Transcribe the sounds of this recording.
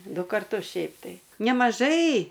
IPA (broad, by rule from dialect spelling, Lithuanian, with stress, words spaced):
ˈdʊ kɐrˈtʊs ˈʃʲɛɪp tɐɪ nʲɛmɐˈʒɐɪ